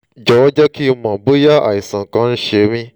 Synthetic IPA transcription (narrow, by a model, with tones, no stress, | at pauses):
d͡ʒɔ˨wɔ˦d͡ʒɔ˦ki˦˧˦mã˨bo˦ja˦ʔa̰˨ji˨sã˨kã˧˦n̩˦ʃe˧˦mĩ˦